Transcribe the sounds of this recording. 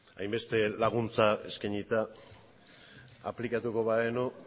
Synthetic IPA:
a̰jmbe̞st̪e̞laɣ̞unt͡sae̞̰skaɲit̪a | a̰plikat̪uko̞βaeno

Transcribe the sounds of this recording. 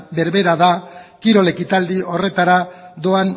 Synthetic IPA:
be̞ɾβe̞ɾaðakiɾo̞le̞kit̪ald̪io̞re̞t̪aɾad̪o̞an

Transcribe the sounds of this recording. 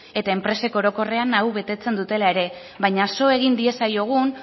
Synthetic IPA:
e̞t̪ae̞mpɾe̞se̞koɾo̞ko̞re̞anawβe̞t̪e̞t͡se̞nd̪ut̪e̞lae̞ɾe̞ | βajɲaso̞e̞ɣind̪ie̞sajo̞ɣ̞un

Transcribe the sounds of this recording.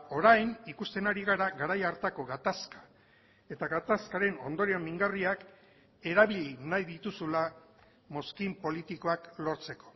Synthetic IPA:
o̞ɾajnikust̪e̞naɾiɣaɾaɣaɾajaɾt̪ako̞ɣat̪askḁ | e̞t̪aɣat̪askaɾe̞no̞̰nd̪o̞ɾiomiŋɡariak | e̞ɾaβ̞ilʎinajðit̪usula | mo̞skimpo̞lit̪iko̞aklo̞ɾt͡se̞ko̞̥

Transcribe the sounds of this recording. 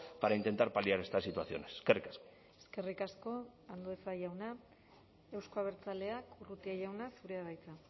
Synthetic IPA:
paɾaint̪e̞nt̪aɾpaliaɾe̞st̪asit̪uasθjo̞̰neskerikasko̥ | eske̞rikasko̞and̪oðesaʝawna | e̞wskoaβ̞e̞ɾt͡sale̞akurut̪iaʝawnasuɾe̞aβajt͡sa

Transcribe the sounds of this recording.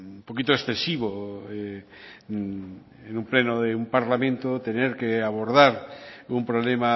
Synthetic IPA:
umpokit̪oesθesiβ̞oe | enũmplenoðeumpaɾlamẽnt̪ot̪eneɾkeaβ̞oɾðaɾumpɾoβlema

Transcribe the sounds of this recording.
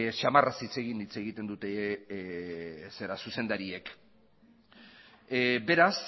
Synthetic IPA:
ʃamarasit͡se̞ɣ̞init͡se̞ɣit̪e̞nd̪ut̪e | se̞ɾasuse̞nd̪aɾie̞k | be̞ɾas

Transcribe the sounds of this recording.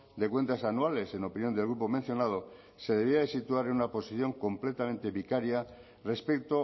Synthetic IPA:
d̪ekwe̞nt̪asanuale̞se̞no̞pinjo̞nd̪elɣɾupo̞mẽn̟θjo̞nað̞o | se̞ðe̞β̞iaðesit̪uaɾenunapo̞siθjo̞ŋko̞mple̞t̪ament̪e̞βikaɾja | re̞spekt̪o

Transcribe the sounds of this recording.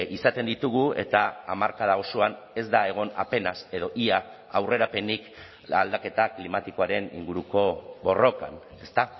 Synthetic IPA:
isat̪e̞nd̪it̪uɣ̞ue̞̰t̪aamaɾkað̞ao̞soan | e̞zd̪ae̞ɣ̞o̞nape̞naseð̞o̞ʔia | awre̞ɾape̞nik | ald̪ake̞t̪aklimat̪iko̞aɾe̞nḭŋɡuɾuko̞βo̞ro̞ka̰n | e̞st̪a

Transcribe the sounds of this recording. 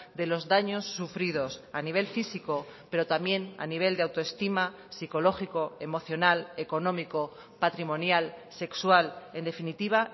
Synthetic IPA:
d̪e̞lo̞zðaɲo̞sːufɾið̞o̞saniβ̞e̞lfisiko̞pe̞ɾo̞t̪amje̞na̰niβ̞e̞ld̪eawt̪oe̞st̪ima | siko̞lo̞xiko̞e̞mo̞θjo̞nale̞ko̞nõ̞miko̞ | pat̪ɾimõ̞njalse̞kswale̞nd̪e̞finit̪iβ̞a

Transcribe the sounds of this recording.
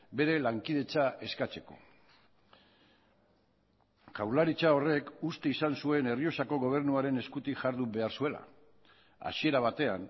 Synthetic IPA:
be̞ɾe̞laŋkiðe̞t͡saʔe̞skat͡se̞ko̞̰ | kawlaɾit͡ʃao̞re̞kust̪e̞isansue̞ne̞rio̞sako̞ɣo̞β̞e̞ɾnuaɾe̞ne̞skut̪iʝaɾðuβe̞aɾsue̞la̰ | a̰sie̞ɾaβ̞at̪e̞a̰n

